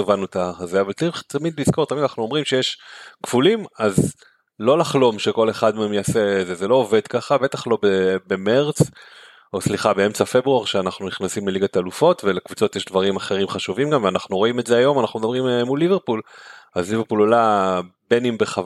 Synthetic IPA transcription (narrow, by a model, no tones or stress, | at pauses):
vanut̪azeavaltaʁiχt̪amid̪lizko̞ʁt̪amid̪anaχnuo̞mʁimʃejeʃkv̥ulimaz | lo̞laχlo̞mʃe̞ko̞le̞χad̪meemjasezezelo̞ːve̞d̪kaχabe̞t̪aχlo̞bebe̞meʁt͡s | osliχabeemt͡safebʁuaʁʃeanaχnuniχnasimleliɡat̪alufo̞tvelekvut͡so̞t̪jeʃdvaʁimaχe̞ʁimχaʃuvimɡamveanaχnuʁo̞imetzeajo̞manaχnumed̪abʁimmulːiveʁpulazliveʁpulolabenimbeχav